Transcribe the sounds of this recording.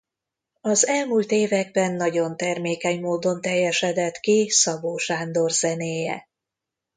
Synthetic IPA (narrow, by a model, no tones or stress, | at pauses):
ɒzɛlmuːlt̪eːvɛɡ̚bɛnːɒɟo̞nt̪ɛrmeːkɛɲmoːd̪o̞nt̪ɛjːɛʃɛd̪ɛt̪kisɒboːʃaːnd̪o̞rz̥ɛneːjɛ̰